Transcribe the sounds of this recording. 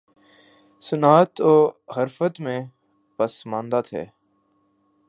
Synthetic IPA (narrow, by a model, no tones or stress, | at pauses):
sənaːt̪oːɦəɾfət̪mẽː | pəsmãːnd̪aːt̪ʰḛː